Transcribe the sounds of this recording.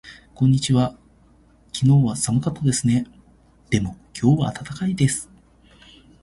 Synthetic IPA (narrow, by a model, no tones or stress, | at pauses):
kõ̞ɲ̟ːit͡ɕiβa | kʲʰino̞ːβasamɯ̟kat̪ːod̪e̞sɨne̞ | d̪̥e̞mo̞kʲʰo̞ːβaːt̪at̪akaid̪e̞sɨ̥